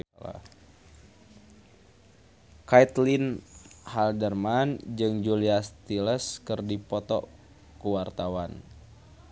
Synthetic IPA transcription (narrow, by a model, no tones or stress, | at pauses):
a̰ | kait̪linhaldərmand͡ʒɨŋd͡ʒuliast̪iləskɨrdipɔt̪ɔ̰ | kuwart̪awan